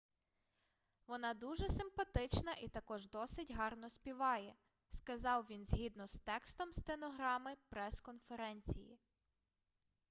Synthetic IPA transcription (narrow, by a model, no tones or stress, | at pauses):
ʋɔnɑd̪uʒɛsɪmpɐt̪ɪt͡ʃnɐʔit̪ɐkɔʒd̪ɔsɪtʲɦɑrnɔsʲpʲiʋɑjɛ | skɐzɑwʋʲinzɦʲid̪nɔst̪ɛkst̪ɔmst̪enɔɦɾɑmɪpɾɛskɔnfeɾɛnʲt͡sʲijḭ